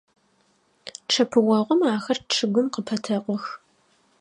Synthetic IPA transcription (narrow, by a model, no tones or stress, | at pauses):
ʈ͡ʂʰɐpʰɨwɐʁʷɔmaːxɐrʈ͡ʂʰɨɡʷʊmqəpʰɐtʰɐqʷɔx